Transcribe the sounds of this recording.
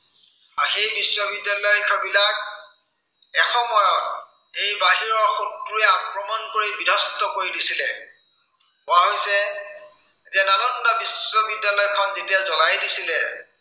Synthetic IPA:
axejbisːɔbidjalɔjkʰɔbilak̚ | ɛxɔmɔjɔt̚ | ejbaɦiɹɔɹxutːuɛakɹɔmɔnkoɹibidʱɔstɔkoɹidisilɛ | ʊwaɦojsɛ | etiananɔndabisɔbidjalɔjkʰɔnzetijazɔlajdisilɛ

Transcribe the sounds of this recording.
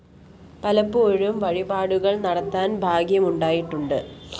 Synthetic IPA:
pɐlɐpːɨoɻumʋɐɻibaːɽuɣɐɭnɐɽɐt̪ːaːnbʱaːɡijɐmuɳɖaːjiʈːuɳɖɨ

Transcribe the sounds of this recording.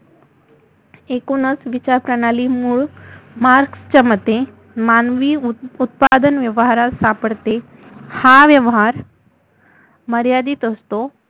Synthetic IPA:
ekonəsʋit͡ɕaɾpɾənalimuɭmaɾkst͡ɕəmət̪e | manʋiːut̪̚pad̪ənʋjəʋɦaɾasapəɽt̪e | haʋjəʋɦaɾ | məɾjad̪iːt̪əst̪o

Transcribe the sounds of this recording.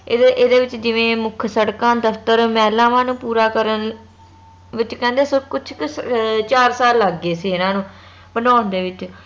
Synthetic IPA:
ʔeːd̪eːʋɪt͡ʃd͡ʒɪʋẽːmʊkʰsəɽkãːd̪əft̪əɾmɛːlãːʋãːnũːpuːɾaːkəɾən | ʋɪt͡ʃkɛ̃ːnd̪eːsəkʊt͡ʃʰkt͡ʃaːɾsaːlːəɡːeːsiːɪnãːnũː | bənaːnd̪eːʋɪt͡ʃ

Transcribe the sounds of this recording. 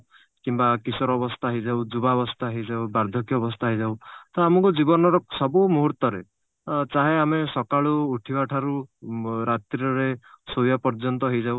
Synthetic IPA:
kimbakisɔɾɔbɔst̪ʰaɦejd͡ʒawd͡ʒubaɔbɔst̪ʰaɦejd͡ʒawbaɾd̪ʱɔkjɔːbɔst̪ʰaɦejd͡ʒawt̪ɔamɔŋkud͡ʒibɔnɔɾɔsɔbumuɦuɾt̪ɔɾḛ | t͡ʃaɦeamesɔkaɭuːʈʰibaʈʰaɾu | ɾat̪ɾiɔɾesojapɔɾd͡ʒɔnt̪ɔɦejd͡ʒaw

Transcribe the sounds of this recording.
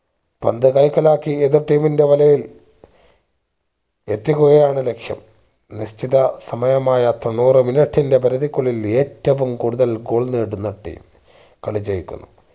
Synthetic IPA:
pɐ̰nd̪ɨkɐjkːɐlaːkːieðirʈːiːminde̞ʋɐlɐjil | et̪ːikʲːuɣɐjaːɳɨle̞kʂjɐ̰m | nist̪ʰiðɐsɐmɐjɐmaːjɐt̪onːuːrɨminɐʈʰːinde̞pɐɾɐðikːuɭːile̞ːtːɐʋumkuːɽuðɐlɡoːɭneːɽunːɐʈːḭːm | kɐɭit͡ɕːɐjikʲːṵnːu

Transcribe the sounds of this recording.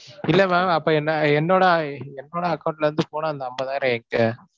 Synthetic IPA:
ɪlːɐmaːɐpːoːɛnːɐɛnːoːɽɐɛnːoːɽɐɐkːɐʊɳʈɪlɐɾɯnd̪ɯpoːnãːɐnd̪ɐɐmbɐt̪ãːɪɾɐɛŋkɯ

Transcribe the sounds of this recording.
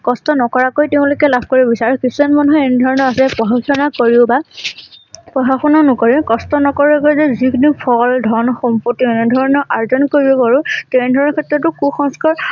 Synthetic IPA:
kɔstɔnɔkɔɹakojtɛʊ̃lʊkɛlabʱkoɹibɔbisaɹʊkisuanmanuɦɔenɛdʱɔɹɔnɔɹasɛpɔɦaɔnakoɹiʊba | pɹɔɦaxɔnanʊkoɹikɔstɔnɔkɔɹakojzɛzikʰinipʰɔldʱɔnɔxɔmpotːiɛnɛdʱɔɹɔnɔɹʔaɹzɔnkoɹiɔbaɹutɛnɛdʱɔɹɔnɔkʰɛtɹɔtʊkuxɔŋskɔɹ

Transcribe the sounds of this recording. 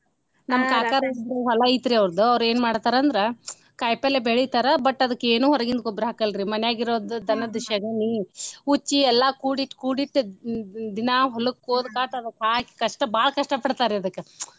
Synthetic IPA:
nɐmːkaːkaːɾɐuɦɔlɐit̪ɾiɐʋɾd̪uɐʋɾeːnmaːɽt̪aːɾɐɐnd̪ɐɾe | kɐjpɐlebeɭit̪ɐɾɐbɐʈːɐd̪ɐkːeːnuːɦɔɾɐɡind̪kobɾɦaːkɐlɾimɐnɛjaːɡiɾoːd̪ud̪ɐnɐd̪ʃɐɡɐniut͡ʃːiɛlːɐkuːɽiʈːkuːɽiʈː | d̪inɐɦɔlukːoːd̪kaːʈɐd̪ɐkaːkkɐʂʈɐbaːɭɐkɐʂʈɐpɐɽt̪aːɾɛɐd̪ɐkːe

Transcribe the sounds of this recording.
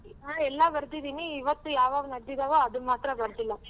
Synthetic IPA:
ɦaːɛlːɐbɐɾt̪id̪iːniːʋɐt̪ːujaːʋaːʋunɐɽd̪id̪ɐʋoɐd̪umaːt̪ɾɐbɐɾt̪ilːɐ

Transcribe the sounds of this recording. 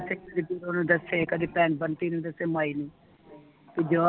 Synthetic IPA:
seːkəd̪iːbiɾoːnũːd̪əseːkəd̪iːpɛ̃ːnbənt̪iːnũːd̪əseːmaːiːnĩː | pid͡ʒoː

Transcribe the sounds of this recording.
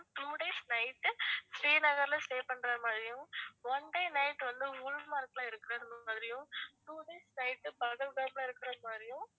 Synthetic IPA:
t̪uːɖeːsnɐɪʈːɯsɾiːnɐɣɐɾɪlɐsʈeːpːɐɳːɾɐmaːðɾɪjɯ̃ɔɳɖeːnɐɪʈːʋɐnd̪ɯʊɻmaːɾklãːɪɾɯkːɪɾɐɾɯnaːðɪɾɪjɯ̃tuːɖeːsnɐɪʈːɯpɐɣɐlɡɐːplãːɪɾɯkːɪɾɐmaːðɾɪjɯ̃

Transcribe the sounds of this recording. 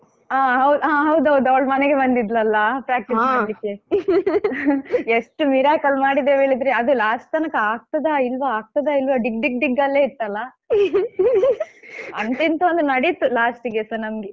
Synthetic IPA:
aːɦɐwd̪uaːɦɐwd̪uɦɐwd̪uɐʋɐɭmɐnɛɡe̞bɐnd̪id̪lɐlːɐpɾaːk̚ʈisaːɭikːe | eʂʈumiɾaːkɐlmaːɽid̪eːʋe̞ːɭid̪ɾeɐd̪ulaːsʈt̪ɐnɐkɐaːk̚t̪ɐd̪ɐilʋɐaːk̚t̪ɐd̪ɐilʋɐɖiɡ̚ɖik̚ɖiɡɐlːe̞ːit̪ːɐlːɐ | ɐnt̪int̪uɐnd̪nɐɽit̪ːulaːsʈɡesɐɾnɐmɡe

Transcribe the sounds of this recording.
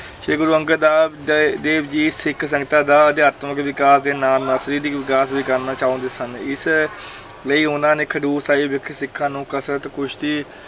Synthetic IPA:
ʃeːɡʊɾuːə̃ŋɡəd̪aː | d̪eːbd͡ʒiːsɪkʰsə̃ŋɡt̪ãːd̪aːd̪eːət̪mə̃keʋɪkaːsd̪eːnaːlnasɾiːɾiːkʋɪkaːsʋiːkəɾnaːt͡ʃaːõːnd̪eːsənɪs | ləiːɦõnnd̪aːneːkʰəɖuːɾsaːiːbɪkʰsɪkʰːãːnũːkəsɾət̪kʊʃʰt̪iː

